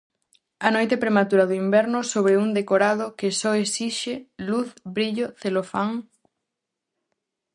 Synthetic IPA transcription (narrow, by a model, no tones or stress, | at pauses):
ɐnojt̪epɾemat̪uɾɐðʊimbɛɾnʊsoβɾeund̪ekoɾað̞ʊkesɔesiʃeluθbɾiʎoθelofaŋ